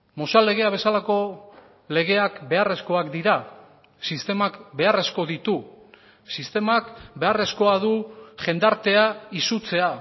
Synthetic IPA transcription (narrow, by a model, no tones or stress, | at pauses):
mo̞sale̞ɣ̞e̞aβ̞e̞salako̞ | le̞ɣ̞e̞akbe̞are̞sko̞akd̪iɾa | sist̪e̞makbe̞are̞sko̞ðit̪u | sist̪e̞makbe̞are̞sko̞að̞uʝe̞nd̪aɾt̪e̞aisut͡se̞a